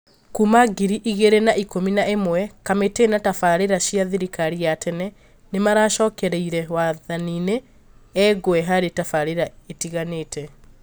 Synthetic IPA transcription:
kumaɡiɾiʔiɣeɾenaʔikominaʔemwɛkametenatafaɾeɾaʃiaðiɾikaɾijatʰɛnɛ | nemaɾaʃɔːkɛɾɛiɾɛwaðaniːne | ɛɡoɛɦaɾetafaɾeɾaetiɣaneːtɛ

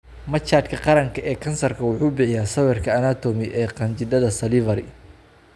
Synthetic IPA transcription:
mɐt͡ʃːaːd̪kʰɐqɑɾɐŋkʰɐʔɛːkʰɐnsɐrkʰɐwʊħuːbɪħɪjaːsɐwɛrkʰɐːnaːt̪ʰɔːmɪʔɛːqɐnt͡ʃɪd̪ɐðɐsɐlɪvɐɾɪ

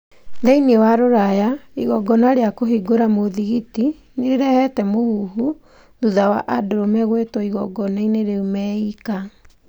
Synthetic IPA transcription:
ðɛiniewaɾoɾajaiɣɔɡɔnaɾeakoɦiɡoɾamoðiɣiti | neɾeɾɛhɛtɛmoɣuhu | ðuðawa̰ʔadoɾomɛɣwetwɔiɣɔɡɔnaineɾeumɛika

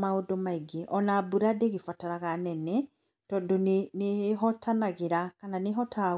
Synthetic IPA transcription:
maondomaiɡeʔɔnabuɾadeɣefataɾaɣanɛnɛ | tɔːdoneneɦɔtʰanaɣeɾakananeɦɔta

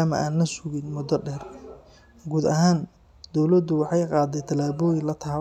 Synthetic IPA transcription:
aːmɐ̰ʔaːnlɐsʊɣɪnmʊd̪ɐɖɛːr | ɡuːd̪ɐɦaːn | d̪̥ɔwlɐd̪ʊwɑħɑjqɑːd̪ɛjt̪ʰɐlaːβɔːjɪnlɐt̪ʰaː

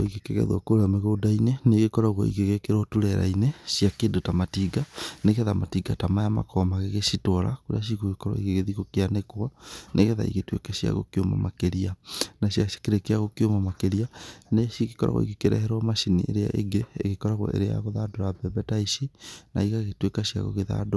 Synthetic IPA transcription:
o̰iɣekɛɣɛ̰ðwɔ̰koɾeɔmeɣoːdaineneɣekɔɾaɣwɔ̰ḭɣeɣekeɾwɔtuɾɛɾa̰ineʃiakeːdotamatiɡaneɣeðamatiɡatamajama̰kɔmaɣeɣeʃitɔɾa̰koɾḛaʃ̬iɣoɣekɔɾɔ̰iɡeɣeðiɣokeanekwanʔeɣeða̰ḭɣetwḛkaʃja̰ɣo̰keoma̰makeɾianaʃjaḁkeɾekeaɣokeomamakeɾianeʃiɣekɔɾa̰ɣwɔ̰ḭkekeɾɛ̰hɛɾwɔmaʃinḭʔḛɾea̰ʔḛɡeḛɣekɔɾaɣɔ̰ʔḛɾea̰ɣoðadoɾabɛbɛtaiʃina̰iɣaɣetwekaʃia̰ɣo̰ɣeða̰do

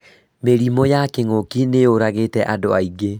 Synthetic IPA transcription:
meɾimɔjakeŋokineoɾaɣetɛʔadoaiɡe

